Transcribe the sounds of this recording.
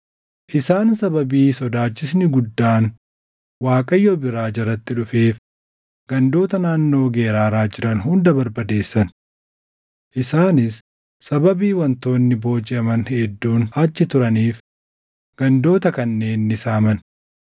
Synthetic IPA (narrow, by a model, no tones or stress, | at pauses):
ʔɪsaːnsɐbɐbiːsɔd̪aːt͡ʃːɪsnɪɡʊd̪ːaːn | waːkʼɐjːobɪɾaːd͡ʒɐrːɐt̪ːɪᶑʊfeːf | ɡ̥ɐnd̪o̞ːt̪ɐnaːnːo̞ːɡe̞ːɾaːɾaːd͡ʒɪɾɐnhʊnd̪ɐbɐɾbɐd̪e̞ːsːɐn | ʔɪsaːnɪsː | ɐbɐbiːwɐnt̪o̞ːnːɪbo̞ːd͡ʒɪɐmɐnhɛd̪ːuːnɐt͡ʃːɪt̪ʊɾɐniːf | ɡ̥ɐnd̪o̞ːt̪ɐkɐnːe̞ːnːɪsaːmɐn